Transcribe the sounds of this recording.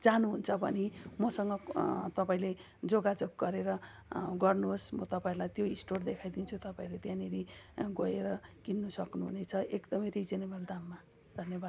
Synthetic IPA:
d͡zanuɦunt͡sʰʌbʌ̰nimʌsʌŋɡʌt̪ʌpaĩle | d͡zoɡad͡zok̚ɡʌɾeɾʌ | ɡʌrnuɦosmʌt̪ʌpaĩɾlajt̪joisʈord̪ekʰajd̪int͡sʰut̪ʌpaĩɾet̪jãneɾiɡʌeɾʌkinːusʌknuɦṵnet͡sʰʌekd̪ʌmʌjrid͡zenebʌld̪amːa | d̪ʱʌnjʌbad̪

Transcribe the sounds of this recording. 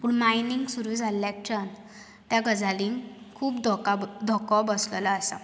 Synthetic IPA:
puɳmainiŋɡsuɾuːd͡zʱalːjak̚t͡ɕan | t̪jaɡəd͡zalĩŋkʰuːpd̪ɔkad̪ʱɔkɔbəsləlaːsa̰

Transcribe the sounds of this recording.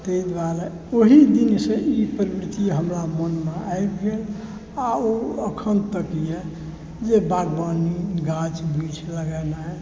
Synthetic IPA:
t̪əid̪ʋaɾa | oɦid̪insẽʔipɾbɾit̪iɦəmɾamənmeajbɡel | aoəkʰənt̪əkijɛ | d͡ʒebaɡbaniɡãt͡ʃbit͡ʃʰləɡɛnaɛ

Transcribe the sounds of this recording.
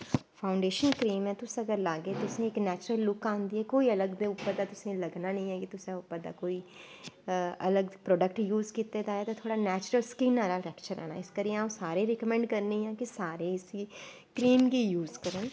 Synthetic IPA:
pʰaːʊɳɖeːʃənkɾiːmɛ̃ːt̪ʊsəɡəɾlaːɡeːt̪ʊsẽːɪknɛːt͡ʃɾəlːʊkãːnd̪iːɛːkoːiːələɡd̪eːʊpːəɾd̪aːt̪ʊsẽːləɡnaːnə̃ĩːɛːkɪt̪ʊsẽʊpːəɾd̪a̰ːkoːiː | ələɡpɾɔːɖəkʈjuːzkit̪eːd̪aːɛːt̪ãt̪ʰoːɽaːnɛːt͡ʃɾəlskĩnːaːlaːʈɛːkt͡ʃəɾɛ̰ːna̰ːɪskəɾiãːsaːɾeːɾɛkəmɛ̃ɳɖkəɾneːjãːkɪsaːɾeːɪsiː | kɾiːmɡiːjuːzkəɾən

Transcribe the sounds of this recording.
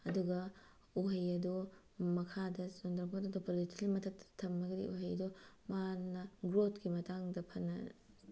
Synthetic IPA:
ɐduɡɐ | uɦɐjɐdu | mɐkʰadɐsondɾɐkʰotɐdopolitilimɐtʰɐk̚tʰɐ̥tʰɐmɐɡɐdḭʔṵɦɐjɐdumanːɐɡɾotkimɐtaŋdɐpʰɐnːɐ̰

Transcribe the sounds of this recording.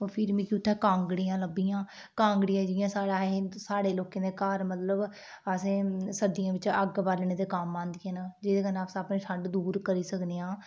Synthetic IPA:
pʰɪɾmĩːkɪʊt̪ʰːãːkãːŋɡɽiːãːləbijãː | kãːŋɡɽiːãːd͡ʒɪːjãːsaːɽaːɦesaːɽeːloːkẽːd̪eːkaːɾmət̪ləb | əsẽːsəd̪ɪjãːʋɪt͡ʃəɡbaɾlɳẽːd̪eːkaːmːãːnd̪ɪjãːnaːd͡ʒɪd̪eːkənaːpsãːpnẽːʃʰəɳɖd̪uːɾkəɾiːsəkd̪eːãː

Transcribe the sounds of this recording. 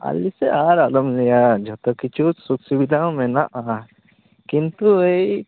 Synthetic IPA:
a̰lːiseʔaɾalɐmlijad͡ʒʱɔt̪ɔkit͡ʃʰusuksibid̪ʱãmẽnaʔa | kint̪uei

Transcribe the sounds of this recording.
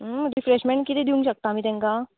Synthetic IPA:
ɾɪfɾeʃmẽɳʈkit̪ʰed̪iũŋɡʃɐk̚t̪aːmit̪ɛ̃ŋkaː

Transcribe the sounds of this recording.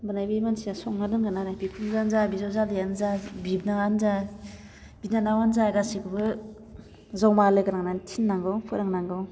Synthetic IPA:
bɯnajbimansijasɔk̚nadɯnɡɯnanajbikʰunzanzabizɔwzalijanzabibnaŋanza | binanawanzaɡasikɯbɯ | zawmalɯɡɯɾaŋnantʰinːaŋɡɯwpʰɯɾaŋnaŋɡɯw

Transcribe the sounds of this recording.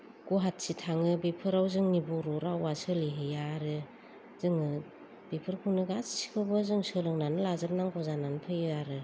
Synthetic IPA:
ɡ̥uɦat̚sitʰaŋɯbipʰɯɾawzɯŋnibuɾɔɾawasɯliɦɯjaɾɯ | zɯŋɯ | b̥ipʰɯɾkʰunɯɡassi̥kʰɯbɯzɯŋsɯlɯŋnanɯlazɯp̚naŋkʰɔzananpʰɯjɯaɾɯ

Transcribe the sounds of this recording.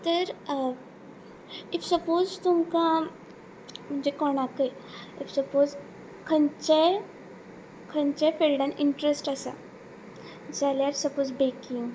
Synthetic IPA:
t̪əɾ | ifsəpod͡zt̪umka | m̤əɲd͡ʑekɔɽ̃akəjifsəpoz | kʰəɲt͡ɕe | kʰəɲt͡ɕefeɾɖãniɳʈɾesʈəsa̰ | d͡zaljaɾsəpozbekĩŋɡ

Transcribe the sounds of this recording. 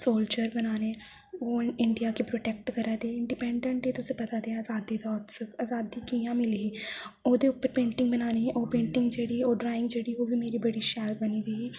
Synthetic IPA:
soːld͡ʒəɾbənaːneː | oːɪɳɖijaːkepɾoːʈɛːk̚ʈkəɾaːd̪eːɪɳɖipɛ̃ːɳɖə̃ɳʈeːt̪ʊsẽːpət̪aːd̪eːaːzaːd̪iːd̪ɔːt̪səkaːzaːd̪iːkiːjãːmɪliɦiːoːd̪eːʊpːəɾpẽːɳʈɪ̃ŋɡbənaːneʔoːpẽːɳʈɪ̃ŋɡd͡ʒeːɽiːoːɖɾaːɪ̃ŋɡd͡ʒeːɽiːoːbiːmeːɾiːbəɽiːʃaːlbəniːɡəiiː

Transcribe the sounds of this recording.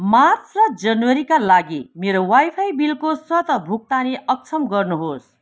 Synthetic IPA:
mart͡sʰrʌd͡zʌnwʌɾikalaɡimeɾowajpʰajbilkoswʌt̪ʌbʱuk̚t̪aniʔʌk̚t͡sʰʌmɡʌrnuɦos

